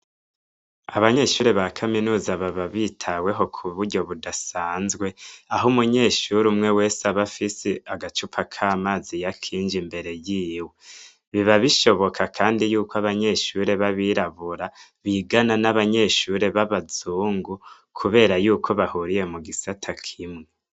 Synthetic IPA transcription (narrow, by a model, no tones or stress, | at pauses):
aβaɲe̞ʃuɾe̞βakʰaminuːzaβaβaβitʰawe̞ɦo̞kʰuβuɾɟo̞βudasaːnzɡwe̞aɦomuɲe̞ʃuɾumŋe̞we̞ːsaβafiseaɡat͡ʃupʰakʰaːmaːzijakʰiːnd͡ʒimbe̞ɾe̞jiːwe | βiβaβiʃo̞βo̞kʰakʰaːndijuːkoaβaɲe̞ʃuːɾe̞βaβiɾaβuɾa | βiɡananaβaɲe̞ʃuɾe̞βaβazuːŋɡu | kʰuβe̞ːɾajuːkʰo̞βahuɾije̞muɡisatʰakʰimŋe